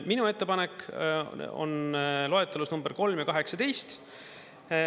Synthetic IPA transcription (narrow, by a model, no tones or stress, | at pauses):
minue̞t̪ːe̞pɑnek | o̰nlo̞et̪ːˑelusnumb̥erko̞lmjɑkɑɦe̞ksɑt̪e̞jst̪